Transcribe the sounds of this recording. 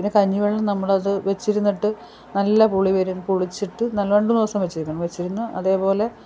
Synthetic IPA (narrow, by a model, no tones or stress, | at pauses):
inɨkɐɲːuʋeɭːɐmnɐmːɐɭɐðɨʋe̞t͡ɕːiɾunːiʈːɨ | nɐlːɐpuɭiʋɐɾumpuɭit͡ɕːiʈːɨnɐlʋɐɳɖuniʋɐsɐmʋet͡ɕːiɾikʲːɐɳɐmʋe̞t͡ɕːiɾunːuɐðe̞ːpo̞ːle̞